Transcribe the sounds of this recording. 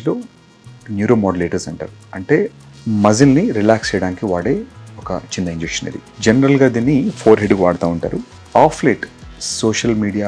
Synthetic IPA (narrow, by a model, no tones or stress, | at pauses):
lo̞ː | njuːɾoːmoːɖɐleːʈɐɾsɐɳʈa̰ːɾuɐɳʈe̞ːmɐzinniɾilaːkst͡ʃɛjɐɽaːnikiʋaːɽe̞ːɔkɐ̰t͡ʃind̪ɐiɲd͡ʒekʂɐnɐ̰ɾḭd͡ʒenɐɾɐlɡaːd̪iːnːipʰoːɾɦeɖɡkuʋaːɽɐt̪aːuɳʈa̰ːɾu | aːpʰleːʈsoːʃɐlmiːɽija